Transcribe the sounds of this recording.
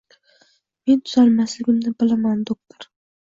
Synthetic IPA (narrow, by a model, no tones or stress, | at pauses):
me̞nt̪ʰʊzalmaslɪɡʲɪmnɪbɪlamand̪ok̚t̪ʰoɾ